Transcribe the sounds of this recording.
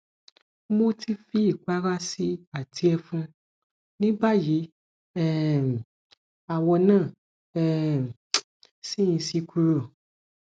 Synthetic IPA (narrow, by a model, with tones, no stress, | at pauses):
mo˧ti˧fi˧˦i˦˨k͡pa˦ɾa˦si˧a˦˨tʰi˨˧˦ɛ˧fũ˦ | nĩ˦ba˦˨ji˨˦ | ɛ˦˨ | a˨wɔ˧nãː˦˨ | ɛ˦˧˨ | si˦ĩ˧si˧kʰu˧ɾo˨